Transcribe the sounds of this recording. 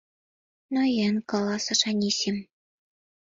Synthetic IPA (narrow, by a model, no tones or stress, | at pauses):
nojɛnkɑlˠɑsɤ̆ʃɑnʲisʲim